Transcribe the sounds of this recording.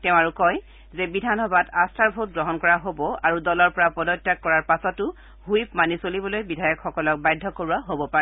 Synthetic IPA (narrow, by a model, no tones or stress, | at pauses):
tɛʊ̃aɹukɔj | zɛbidʱanɔbatastʰaɹbʱot̚ɡɹɔɦɔnkɔɹaɦobɔaɹudɔlɔɹpɔɹapɔdɔtːakːɔɹaɹpasɔtʊ | hujpmanisolibɔlojbidʱajɔkxɔkɔlɔk̚bajdʱːɔkoɹuaɦobɔpaɹɛ